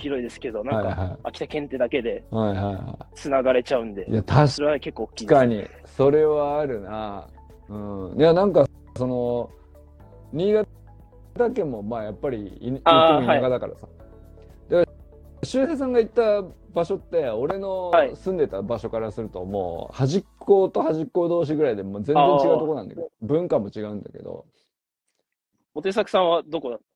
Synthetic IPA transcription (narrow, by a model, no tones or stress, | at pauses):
çiɾo̞id̪e̞sɨ̥ke̞d̪o̞nãaikahaiakʲi̥t̪akẽ̞nt̪e̞d̪ake̞d̪e̞haihaiha̰t͡ssɨnaɡaɾe̞t͡ɕaɯ̟̃nd̪e̞jat̪ʰaɕɾeβake̞kːoːkʲːiikaɲ̟ḭ | so̞ɾe̞βaːɾɯ̟na | ɯ̟̃ːjanãŋka | so̞no̞ | ɲ̟ʲiːɡa | t̪akẽ̞mːo̞maːjapːaɾʲḭaiiaɡad̪aka̰ɾa̰sa | d̪aka | ɕɨːses̬ãŋɡait̪ːa | baɕo̞t̪ːe̞o̞ɾe̞no̞sɨ̃nd̪e̞t̪abaɕo̞kaɾasɨɾɯ̟t̪o̞̰mo̞̰ːhaʑikʰːo̞ːt̪o̞haʑikːo̞d̪o̞ːɕ̬iɡɯ̟ɾaid̪e̞moːd͡zẽ̞zẽɲt͡ɕiɡaɯt̪okonãnd̪a̰keobɯ̟̃ŋkamo̞t͡ɕiɡaɯ̟̃nd̪a̰ke̞̰d̪o̞̰ | ot̪e̞sakɯ̥sãɰ̃βad̪okod̪at̪ː